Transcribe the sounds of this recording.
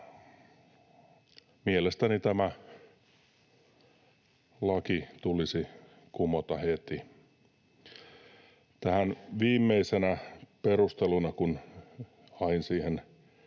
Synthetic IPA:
mielest̪ænit̪æmæ | lɑkit̪ulisi | kumot̪ɑhet̪i | t̪æhænʋiːmːeisenæperust̪elunɑkun | ɑinsiːhen

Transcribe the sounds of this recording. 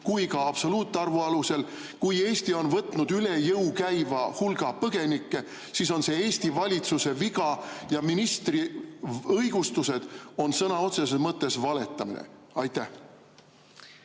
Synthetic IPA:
kujkɑɑb̥so̞luːt̪ˑːeɑrvuɑluse̞l | kuje̞ːst̪io̞nvɤt̪ːˑnud̪yle̞jɤwkæjvɑhulɡ̥ɑpɤɡ̥e̞nikˑːe̞ | siːs̬o̞nse̞eːst̪ivɑlʲit̪suse̞viɡɑjɑminist̪ri | ɤjɡ̥ust̪use̞d̪̥o̞nsɤnɑo̞t̪se̞sesmɤt̪ˑːe̞svɑle̞t̪ːˑɑmḭnḛ | ɑjt̪ˑːæh

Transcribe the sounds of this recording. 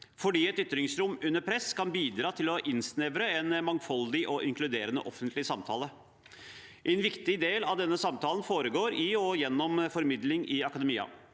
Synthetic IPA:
fɔɖiːɛt̪ʏt̪ːɾɪŋsɾʊmʉnːəɾpʰɾɛskʰɑnbiːd̪ɾɑːt̪ʰɪlɔʔɪnsnɛʋɾəɛnmɑŋfɔld̪ɪʔɔʔɪŋklʉd̪eːɾənə̰ʔɔfənt̪lɪsɑmt̪ʰɑːlə | ʔɛnʋɪkt̪ɪd̪eːlɑʋd̪ɛnːəsɑmt̪ʰɑːlənfoːɾəɡoːɾɪɔjɛnːɔmfɔɾmɪd̪lɪŋʔɪɑkɑd̪ɛmiːɑ̰

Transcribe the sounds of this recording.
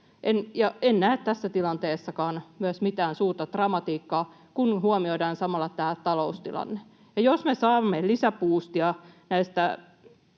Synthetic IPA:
ʔenjɑennæːt̪t̪æsːæt̪ilɑnt̪eːsːɑkɑːnmyæsmit̪æːnsuːrt̪ɑt̪rɑmɑt̪iːkːɑː | kunhuomioidɑːnsɑmɑlːɑt̪æːt̪ɑloust̪ilɑ̰nːe | jɑjosmesɑːmːelisæpuːst̪jɑnæist̪æ

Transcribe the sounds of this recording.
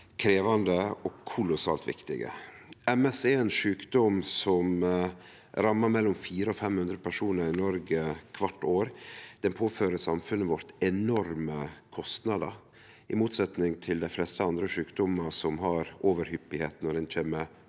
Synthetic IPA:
kʰɾeːʋɑnd̪əɔkʰʊlʊsɑ̰ːlt̪ʋɪ̰kt̪ɪ̰ɡə̰ɛmɛsɛɛnʂʉːkd̪ɔmsɔm | ɾɑmːɑɾmɛlːɔmfiːɾəɔfɛmhʉnd̪ɾəpʰæʂuːnəɾɪnɔɾɡəkʰʋɑʈːoːɾd̪̥ɛnpʰoːføːɾəsɑmfʉnːəʋɔɾt̪ɛnɔɾməkʰɔst̪nɑd̪ə̰ | ʔɪmuːt̪sɛt̪nɪŋt̪ʰɪld̪æɪflɛst̪əɑnd̪ɾəʂʉːkd̪ɔməsɔmɦɑɾʔoːʋəɾhʏpːɪheːt̪nɔɖɛnt͡ʃʰeːmə

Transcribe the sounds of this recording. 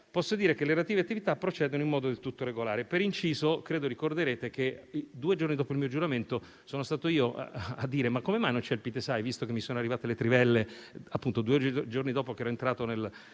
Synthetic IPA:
pɔsːod̪iːɾekeleɾeat̪iːveat̪ːivit̪apːɾot͡ʃɛːd̪onoinmɔːd̪od̪elt̪ut̪ːoɾeɡolaːɾepeɾint͡ʃiːzokɾeːd̪orikord̪eɾeːt̪ek̟ed̪uːed͡ʒornid̪ɔːpoilmiːod͡ʒuɾament̪o | soːnost̪aːt̪oiːoʔad̪ːiːɾemakːomemajnont͡ʃɛlpit̪esajvist̪okemːisoːnoarːivaːt̪elet̪ɾivɛlːeapːunt̪od̪uːed͡ʒornid̪ɔːpokɛːɾɔent̪ɾaːt̪onel

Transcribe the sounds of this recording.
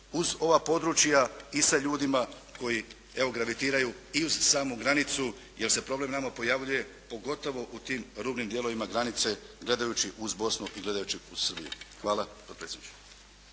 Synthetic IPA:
uzo̞ʋapo̞d̪ɾut͡ʃjaisaʎuːd̪imako̞ji | eʋo̞ɡɾaʋit̪iːɾajuiuzsaːmuɡɾanit̪su | je̞ɾse̞pɾo̞ble̞mnamapo̞jaʋʎuje̞ | po̞ɡo̞t̪o̞ʋo̞ʔut̪iːmɾuːbnimd̪jelo̞ʋimaɡɾanit̪se̞ɡle̞d̪ajuːt͡ɕiʔuzbo̞snuʔiɡle̞d̪ajut͡ɕiu̥sr̩bḭjṵxʋaːlapot̪pɾesed̪nit͡ʃe̥

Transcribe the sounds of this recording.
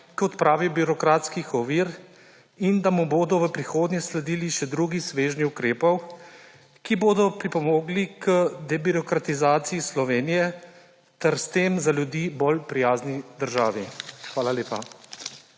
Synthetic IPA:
kiɔt̪pɾaːʋibiɾɔkɾaːt̪skixɔʋiːɾ | ind̪amuboːd̪ɔʋəpɾixoːd̪njɛslɛd̪iːliʃɛd̪ɾuɡisʋeːʒniukɾeːpɔw | kiboːd̪ɔpɾipɔmoːɡlikəd̪ɛbiɾɔkɾat̪izaːt̪sijislɔʋeːnijɛ | t̪ɛɾst̪eːmzalʲjud̪iːbolpɾijaːznid̪əɾʒaːʋixʋaːlaleːpa

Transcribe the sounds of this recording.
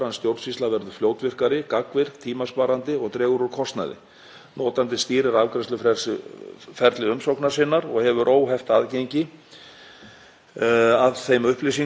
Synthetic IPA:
ɾanst̪jowɾt̪svist̪avɛɾðʏ̥fljoːwt̪vɪr̥kaɾɪkakvɪɾ̥t̪ʰiːmaspaːɾant̪ɪɔɣt̪ɾɛːɣʏɾɔɾ̥kʰɔst̪na̰ðɪ̰ | nɔːt̪ant̪ɪst̪iːɾɪɾavkɾɛst̪lʏfɾɛ̥sfɛɾt̪lɪʏmsowknḁsɪnːaɾɔɣhɛvʏɾʔoːwɦɛft̪aðcejɲcɪ | aðθejmʏhplijs̬iŋ

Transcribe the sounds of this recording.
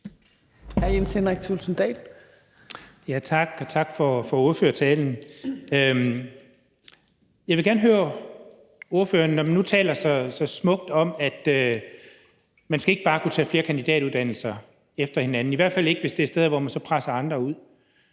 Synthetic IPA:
hæɐjensenʁɛɡ̥̚sʰulsn̩d̥ɛ̰ːl | jæt͡sʰɑ̈ɡ̥ɒt͡sʰɑ̈ɡ̥fɒfɒ̽oɐføːɐt͡sʰɛːln̩ø | jɑɪʋe̝ɡæɐnəɦøːɐ | o̝ɐføːɐnːɒmænːut͡sʰɛ̰ːlɐsɒ̽sɒ̽smɔ̽ɡ̥d̥ɒ̽mæd̥ø | mænsɡ̥æe̝ɡ̥ə̥b̥ɑ̈ːkʰut͡sʰɛ̰ːfle̝ːɐkʰænd̥id̥ɛ̰ːɾ̥uðˠd̥æn̰l̩sɐ | efd̥ɐhe̝nænn̩iʋæɐ̰d̥fæl̰e̝ɡ̥əʋesd̥e̝æɐsd̥eð̞ˠʋɒmænsɒ̽pʰʁasɐɑ̈nd̥ʁɐuð̰ˠ

